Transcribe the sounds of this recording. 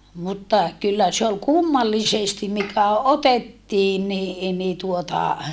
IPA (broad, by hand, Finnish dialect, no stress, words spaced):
mutːɑ kylːæ se ol kumːɑlːisestim mikæ otetːiːn ni ni tuotɑ